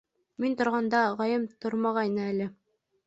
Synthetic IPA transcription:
mint̪ŏɾʁɑnd̪ɑʁɑjɤmt̪oɾmɑʁɑinɤælɘ

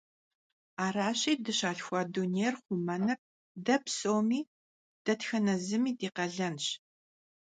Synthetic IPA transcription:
aːraːɕiːdɨɕaːɬxʷɑːduneːrχʷʊmɐnɐp̚ | dɐpʰsoːmiː | d̥ɐtxɐnɐzɨmiːdiːqɐɮɐnɕ

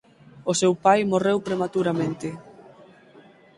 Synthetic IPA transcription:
ʊsewpajmorewpɾemat̪uɾamẽnt̪ɪ

